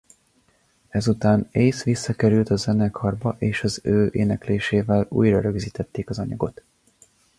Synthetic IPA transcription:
ɛzut̪aːneːsʋisːɒkɛɾylt̪ɒzɛnɛkʰɒrbɒʔeːʃɒzøːʔḛːnɛkleːʃeːvɛlṵːjrɒɾø̞ɡziːt̪ɛt̪ːeːkɒzɒɲɒ̰ɡo̞t̪

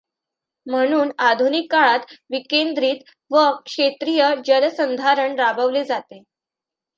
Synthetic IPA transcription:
m̤əɽ̃uːnad̪ʱunikːaɭat̪ʋikend̪ɾiːt̪ | ʋəkʂet̪ɾijəd͡ʑəɾsənd̪ʱaɾəɳɾabəʋled͡zat̪e

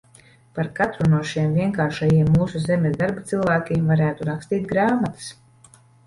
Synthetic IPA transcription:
paɾkat̪ɾunuɔʃimviɛŋkaːɾʃajiɛmːuːsuzemʲezd̪aɾbat̪silˠvæːkʲimvaɾæːt̪uɾakst̪iːt̪̚ɡɾaːmat̪ɨ̥s

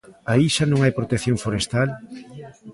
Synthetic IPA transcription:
aiʃanõŋajpɾot̪ekθjõɱfoɾest̪al

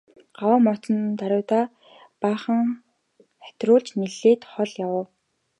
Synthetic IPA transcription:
ɢ̥awəːmɔt͡s̪ɞ̆nt̪aɾʲʊːt̪aː | paːχə̆ŋ | χæ̥t̪rʊːɮt͡ɕniɮeːt̪χɔɮjawə̆w

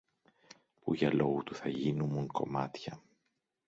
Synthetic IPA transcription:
puʝɐlo̞ɣut̪uθɐʝinumuŋko̞̰mɐt̪çɐ

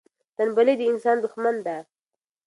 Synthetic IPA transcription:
t̪anbaled̪əɪnsɑnd̪ʊxmand̪a

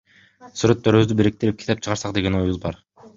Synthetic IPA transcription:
syɾøt̪ːøɾyβyzd̪ybiɾik̚t̪iɾip̚kʲi̥t̪ep̚t͡ʃʰɯʁɑɾsɑq̚d̪e̞ɡe̞nojuzˠbɑɾ

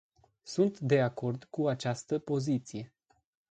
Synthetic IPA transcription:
sunt̪d̪e̞ako̞rd̪kuat͡ʃast̪əpo̞zit̪sije̞

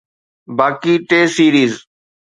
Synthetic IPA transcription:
baːkiːʈeːsiːɾiːz

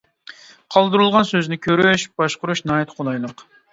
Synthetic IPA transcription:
qʰɑlˠd̪ɨɾulˠʁɑnsøznɪkʲʰøɾyʃb̥ɑʃqʊɾuʃnɑjt̪ʰqʰonɑjlˠəq

